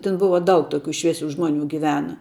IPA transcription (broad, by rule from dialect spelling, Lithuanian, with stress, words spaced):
ˈtʲɪn ˈbʊʋɐ ˈdɐʊk ˈtoːkʲʊ ˈʃʲʋʲiɛsʲʊ ˈʒmoːnʲʊ ɡʲɪˈʋʲæːnɐ